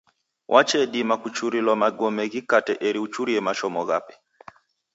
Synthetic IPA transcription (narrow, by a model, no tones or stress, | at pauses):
wʔat͡ʃɛɗimakut͡ʃuɾilwamaɡɔmɛɣikatɛʔɛɾiut͡ʃuɾiɛmaʃɔmɔɣapɛ̥